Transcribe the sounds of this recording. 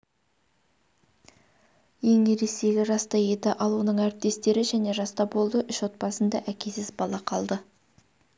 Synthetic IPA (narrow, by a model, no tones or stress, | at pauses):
je̞ŋneɾe̞se̞ɡʲɪʒɑst̪ɑje̞t̪ɪʔɑlˠunəɴæɾɪp̚t̪e̞st̪e̞ɾɪʒæne̞ʒɑst̪ɑbo̞lˠd̪əʔʏʃwo̞t̪̚pɑsənd̪ɑʔækʲe̞sɪzbɑlˠɑqʰɑlˠd̪ə